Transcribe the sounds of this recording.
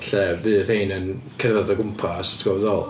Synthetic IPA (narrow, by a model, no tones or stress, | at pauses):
ɬɛvɨːðhejnənkʰɛrðɔðɔɡʊmpʰastʰɡɔvɛðɔlˠ